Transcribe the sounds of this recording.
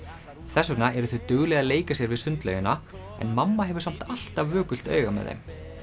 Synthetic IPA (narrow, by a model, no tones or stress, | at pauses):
θɛsːʏknaɛɾʏθʏɥt̪ʏɣlɛɣaleːjkasjɛɾvɪðsʏnt̪lœ̰jʏna | ɛ̰nmamːaɦɛvʏɾsam̥t̪al̥t̪avːœːkʏl̥t̪œ̰ːɥɣamɛ̰ðḛjm